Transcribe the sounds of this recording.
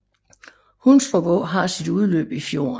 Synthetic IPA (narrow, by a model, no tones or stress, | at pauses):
hunsfɒbɔ̰̽ɦɑ̈sid̥uð̞ˠlø̰ːb̥ifjo̝̰ːɐn